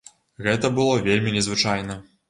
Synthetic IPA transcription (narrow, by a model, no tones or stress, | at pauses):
ɣɛt̪ɐbɨlˠɔvʲelʲmʲinʲɛzvɨt͡ʂajnɐ